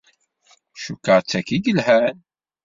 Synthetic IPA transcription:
ʃukːəʁt͡sːækːiɡəlhæn

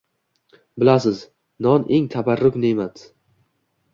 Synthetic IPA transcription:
bɪlasɪz | nɒnʔeŋt̪ʰabaɾːʊkʲnemat̪

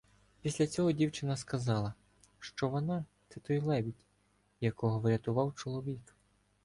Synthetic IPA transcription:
pʲisʲlʲɐt͡sʲɔɦɔdʲiwt͡ʃɪnɐskɐzɑlˠɐ | ʃt͡ʃɔʋɔnɑt̪sɛt̪ɔjlˠɛbʲitʲ | jɐkɔɦɔʋɪɾʲɐt̪ʊʋɑwt͡ʃɔlˠɔʋʲik

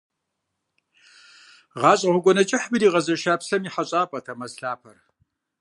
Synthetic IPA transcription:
ʁɑːɕʼɐʁʷʊɡʷɔnɐt͡ʃʼɪħbɨɾiːʁɐzɐʃaːpsɐmiħaɕʼaːpʼɐtʰɐmɐsɬaːpʰɐr

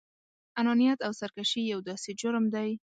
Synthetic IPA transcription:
anɑnijat̪awsaɾkaʃijawd̪ɑsed͡ʒʊɾmd̪aj

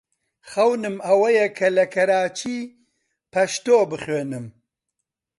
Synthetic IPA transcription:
χɐwnɨmɐwɐjɛkʰɐlɐkʰɐɾaːt͡ʃʰiː | pʰɐʃt̪oːbɨχweːnɨm

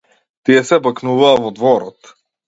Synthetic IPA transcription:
t̪iɛsɛbaknuvaːvɔd̪vɔɾɔt̪

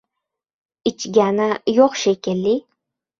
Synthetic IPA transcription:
ɪt͡ʃɡʲanajoqʃekʲɪlːi

